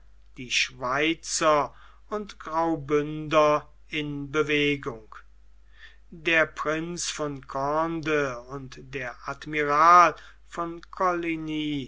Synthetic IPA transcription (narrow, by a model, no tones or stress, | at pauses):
d̥iːʃv̥aɪt͡sɐ | ʊntɡ̥ʁaʊbʏndɐ | ɪnbəveːɡʊŋk | deːɐpʁɪnsfɔnkʰɔndəʊntdeːɐʔatmiʁaːl | fɔnkʰɔliniː